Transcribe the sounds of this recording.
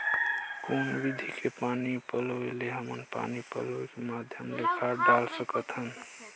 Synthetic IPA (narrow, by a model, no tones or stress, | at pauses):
konbid̪ʱikʰepanipəloeleɦəmənpa̰nipə̰loekemad̪ʱjəmlekʰaɾɖalsəkət̪ɦən